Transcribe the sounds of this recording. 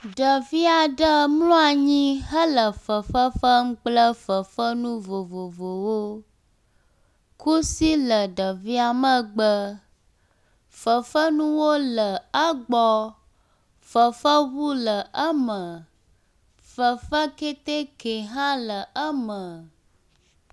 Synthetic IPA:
ɖə˨vi˦a˨ɖə˦mlõ˦a˨ɲĩ˦ɦə˦lə˨fə˨fə˦fə˦ŋ̩˦k͡plə˦fə˨fə˦nũ˦vo˨vo˨vo˨wo˦ | ku˦si˦lə˨ɖə˨vi˦a˨mə̃˦ɡ͡bə˦ | fə˨fə˦nũ˦wo˦lə˨ə˦ɡ͡bɔ˦ | fə˨fə˦ɣu˦lə˨ʔə˦mə̃˨ | fə˨fə˦ke˦t̪e˦ke˨ɦã˦lə˨ʔə˦mə̃˨

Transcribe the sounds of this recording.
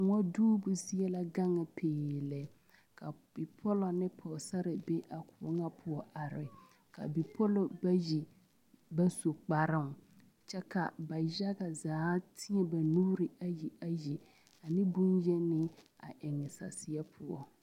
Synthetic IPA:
ŋɔ˦duː˦bʊ˨sɪ˦ɛ˦la˦ɡa˦ŋɪ˨pʰeː˨lɛ˨ | ka˨ | b̥ɪ˨pʰɔ˦lɔ˨nɪ˦pʰɔ˨sa˦ɾɪ˨be˦ʔa˨kʰʊ˨˦ŋa˦pʰʊ˦ɔ˦ʔa˨ɾɪ˨ | ka̰˨bi˨pʰɔ˦lɔ˦˨ba˦ji˨ | ba˦so˨k͡pa˨ɾɪ˦ŋ˨ | t͡ʃɛ˦ka̰˨ba˨ja˦ɡa˨zaː˨˦tʰɪ˦ɛ˦ba˨nuː˦ɾɪ˨a˨ji˨a˨ji˨ | a˨nɪ˦bu˦njɛ˦nɪ˦ | a̰˨ʔɪ˨ŋɪ˨sa̰˨sɪ˦a˦pʰʊ˦ɔ̰˨

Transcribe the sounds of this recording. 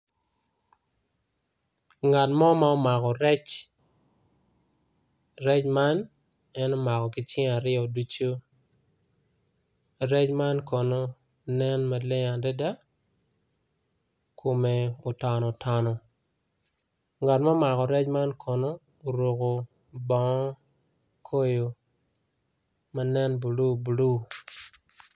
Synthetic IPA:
ŋa˨tma˦ma˦ɔ˦ma˨kɔ˨ɾɛ˦t͡ʃ | rɛ˦t͡ʃma˦n | ɛ˦nɔ˦ma˨kɔ˨kɪ˨t͡ʃɪ˦ŋa˨ɾɪɔ˨du˦t͡ʃo˦ | ɾɛ˦t͡ʃma˦nkɔ˨no˦ | nɛ˦nma˨lɪ˦ŋa˨dɛ˦da˦ | kʰo˨me˨o˨ta˨nɔ˨tʰɔ˨nɔ˨ | ŋa˨tma˦ma˨kɔ˨ɾɛ˦t͡ʃma˦nkʰɔ˨noː˦˨ | ɾo˨ko˨ | bɔ˨ŋɔ˦ | kʰo˦jo˨ | ma˦nɛ˦nbu˨lu˦bu˨lu˦˨

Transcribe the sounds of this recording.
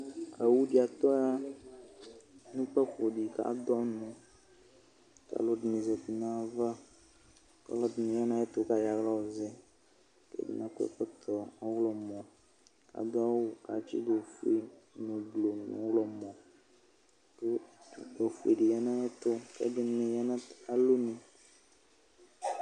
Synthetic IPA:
a˨wu˦ɖi˦a˨t̪ɔ˦ja˦ | nũ˦k͡pɛ˦xo˨ɖi˨ka̰˨˦d̪ɔ˦nũ˨ | ka̰˨lo˦dnĩ˨zɛ˨ti˨nã˦˨va˦ | ka̰˦lɔ˦dnĩ˨ja˦nã˦ɛ˦t̪o˦ka˦ja˨ɣla˦wo˨zɛ˦ | kɛ̰˦dḭ˦nã˨˦ku˦ɛ̰˦˨k͡pɔ˦t̪ɔ˨ɔ˦wlɔ˨mɔ̃˨ | ka̰˨˦d̪a˦wka˨t͡ʃḭ˦ɡlo˨fu˨˦e˨nũ˨ɡ͡blo˨nṵ̃˨˦wlɔ˦mɔ̃˨ | ke˦˨ɛ˨fu˨e˨ɖi˨ja˦nã˦ɛ˦t̪o˦kɛ̰˦dɪ˨nẽ˨ja˦nã˦a˦lo˦nĩ˨

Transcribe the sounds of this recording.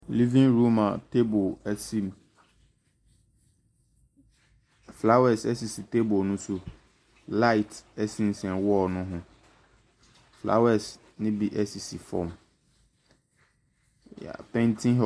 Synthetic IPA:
li˦vĩ˦ŋɾu˦mã˨tʰe˦bʊ˨ɛ˦sĩ˦m | fla˦wɛ˨sɛ˦si˨si˨tʰe˦bʊ˨nʊ̃˦sʊ˦ | la˦ɪ˨tɛ˦sĩ˦n̩˨sɛ̃˨nwɔ˦˨nʊ̃˦ɦʊ̃˦ | fla̰˦wɛ˨s | nɪ̃˦bi˨ʔɛ˦si˨si˨fɔ̰˦m | a̰˨pʰɛ̃˦ntʰĩ˦ɦ

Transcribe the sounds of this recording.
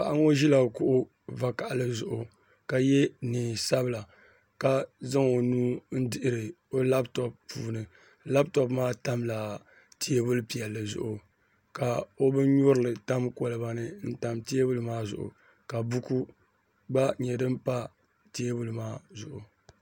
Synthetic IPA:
ba̰˨ʔa˦ŋo˦ʒi˦la˨kʊ˦ʔʊ˦ | va˨ka˨ʔa˨lɨ˦zʊ˨ʔʊ˨ | ka˨jɛ˦nɨ˨sa˦bɨ˨la˨ | ka˦za˦ŋo˨nuː˦n̩˦dɪ˦ʔɪ˦ɾɨ˨ | o˦la˦btɔ˨pːuː˨nɨ˨ | la˦btɔ˦pmaː˦ta˦mla˨ | ti˦e˦bʊ˦lpi˨ɛ˨lːɨ˨zʊ̰˨ʔʊ˨ | ka˨o˦bɨ˦ɲʊ˦ɾɨ˦˨lɨ˨ta˦mko˦lɨ˨ba˦nɨ˦n̩˦ta˨mte˦e˦bʊ˦lɨ˦maː˦zʊ̰˨ʔʊ̰˨ | ka˨bu˦ku˦ | ɡ͡ba˦ɲɛ˨dɨ˦m˦pa˦ | te˦e˦bʊ˦lɨ˨maː˦zʊ̰˨ʔʊ˨

